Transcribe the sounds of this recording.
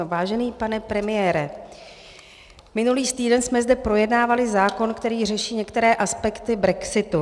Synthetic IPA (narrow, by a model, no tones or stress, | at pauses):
vaːʒɛniːpanɛpɾɛmɪjɛːɾɛ | mɪnuliːst̪iːdɛnsmɛzdɛpɾo̞jɛdnaːvalɪzaːko̞nkt̪ɛɾiːr̝ɛʃiːɲɛkt̪ɛɾɛːʔaspɛkt̪ɪbɾɛksɪt̪u